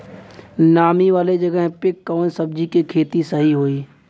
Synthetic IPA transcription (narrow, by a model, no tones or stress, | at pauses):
naːmiʋaːled͡ʒɐɡəɦpɪkːɔːnsəb̚d͡ʒikikʰeːt̪isəɦiɦoːiː